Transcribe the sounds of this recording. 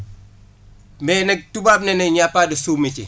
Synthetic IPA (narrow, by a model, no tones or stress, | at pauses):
mɛnɛk̚tubap̚nɛnɛɲapːadisumit͡ʃḭ